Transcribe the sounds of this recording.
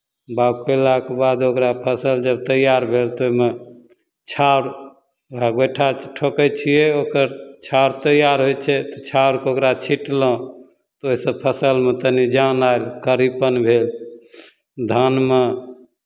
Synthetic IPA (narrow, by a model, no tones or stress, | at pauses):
babkelakebad̪okɾapʰəsəld͡ʒəb̚t̪əjaɾbʱelt̪oɦime | t͡ʃʰauɾ | aɡeʈʰaʈʰokət͡ʃʰijɛokəɾt͡ʃʰawɾt̪əjaɾɦojt͡ʃʰɛt̪ɔt͡ʃʰauɾkeokɾat͡ʃʰiʈlɔ̃ | t̪ɔoɦisəbpʰəsəlmet̪ənid͡ʒanaelkəɾipənbʱel | d̪ʱanme